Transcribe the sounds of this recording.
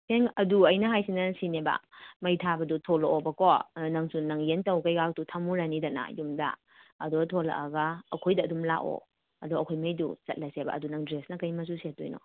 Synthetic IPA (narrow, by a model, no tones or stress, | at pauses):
pʰeŋɐduɐjnɐɦajsinɐsinebɐ̰mɐjtʰabɐdutʰoloʔobɐkɔnɐŋsunɐŋjentɐwkajɡak̚tutʰamuɾanidana̰jumda̰ː | dɔtʰɔla̰ʔaɡaːkʰojdɐːdumla̰ʔo̰ | ɐdɔɐkʰojmɐjdṵt͡ʃɐ̰t̚lɐseba̰ːdunɐŋdɾesnɐkɐjmɐs̬usetːujnɔ̰